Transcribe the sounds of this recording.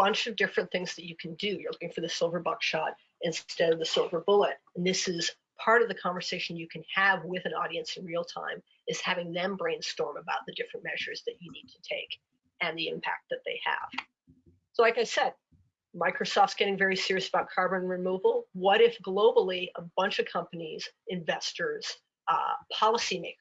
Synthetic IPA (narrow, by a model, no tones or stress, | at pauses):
b̥ʌ̃nt͡ʃʌvdɪfɹɨ̃nθɪ̃ŋzðɨt͡ʃɨkʰn̩dɨjə˞lʊkɪ̃ŋfə˞ðɨsɪlˠvə˞bʌkʃɑɾ | ɨ̃nstɛɾʌvðɨsoʊvə˞bʊlˠəɾɨ̃n̩ðɪsɪz̥ | pʰɑɹɾʌvðɨkʰɑ̃ɱvə˞seɪʃn̩jɨkʰɨ̃n̩ɨvwɪðɨ̃nɔ̰ɾiɨ̃nsɨ̃n̩ɹil̩ˠtʰã̰ɪ̃m | ɨz̥hævɪ̃ŋðɨ̃mbɹẽɪ̃nstɔɹməbaʊt̪̚ðɨdɪfɹɨ̃nmɛʒə˞zðɨt͡ʃɨnid̚tʰɨtʰeɪk | ɨ̃nðiɪ̰̃mpʰæ̰k̚t̪̚ðɨt̪̚ðeɪə̰v̥ | soʊlaɪkaɪsɛd̚ | maɪkɹosɔftsɡ̥ɛɾɪ̃ŋvɛɹisɪɹiɨsəbaʊt̚kʰɑɹbɨ̃nɹɨmuvl̩ˠwʌɾɪfɡ̥loʊbl̩ˠiəbʌ̃nt͡ʃʌv̥kʰʌ̃mpɨnizɨ̃ɱvɛstə˞z̥ | pʰɑlˠəsimeɪk